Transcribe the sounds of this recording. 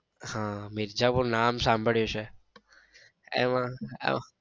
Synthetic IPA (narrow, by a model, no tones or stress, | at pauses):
hãmiɾd͡ʒapuɾnamsãmbʱəɭjot͡ʃʰe | ḛmã̰